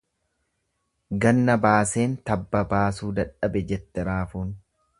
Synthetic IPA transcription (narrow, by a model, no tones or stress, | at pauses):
ɡɐnːɐbaːse̞ːnt̪ɐbːɐbaːsuːd̪ɐᶑɐbɛd͡ʒɛt̪ːɛɾaːfuːn